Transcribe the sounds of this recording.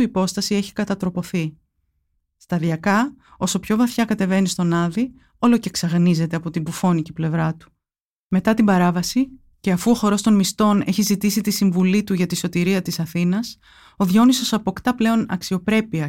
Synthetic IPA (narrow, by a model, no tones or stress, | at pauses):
ipo̞st̪ɐsie̞çi̥kɐt̪ɐt̪ɾo̞po̞θi | st̪ɐðiɐkɐo̞so̞pço̞vɐθçɐkɐt̪e̞ve̞nist̪o̞nɐði | o̞lo̞ce̞ksɐɣnize̞t̪e̞ɐpo̞t̪imbufo̞niciple̞vɾɐt̪u̥ | me̞t̪ɐt̪imbɐɾɐvɐsi | ce̞ɐfuo̞xo̞ɾo̞st̪o̞nmist̪o̞ne̞çizit̪isit̪isiɱvulit̪uʝɐt̪iso̞t̪iɾiɐt̪isɐθinɐs | o̞ðʝo̞niso̞sɐpo̞kt̪ɐple̞o̞nɐ̰ksio̞pɾe̞piɐ